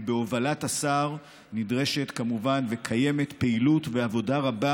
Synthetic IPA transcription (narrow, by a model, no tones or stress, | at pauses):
be̞ovalatasaʁ | nidʁe̞ʃe̞t̪kamuvanvekʰaje̞met̪peilut̪ve̞avo̞daʁaba